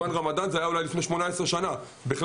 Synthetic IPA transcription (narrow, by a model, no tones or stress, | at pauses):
anʁamad̪anzeajaulajlifne̞ʃmo̞naesʁeʃana | biχl